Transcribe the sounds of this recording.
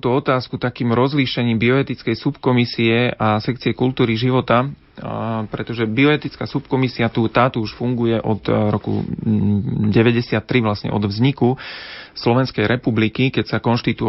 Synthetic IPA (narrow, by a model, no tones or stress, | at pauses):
ut̪ɔɔt̪aːskut̪akiːmɾɔzliʃɛɲiːmbiɔɛt̪it͡skɛjsupkɔmisiɛasɛkt͡siɛkult̪uːɾiʒiʋɔt̪a | pɾɛt̪ɔʒɛbiɔɛt̪it͡skaːsupkɔmisiat̪ut̪aːt̪uuʃfuŋɡujɛʔɔt̪ɾɔkṵ | ɟɛʋɛɟɛsɪat̪ːɾiʋlasɲɛ̰ʔɔ̰d̪vzɲikuslɔʋɛnskɛjɾɛpublikikɛcsakɔnʃt̪it̪u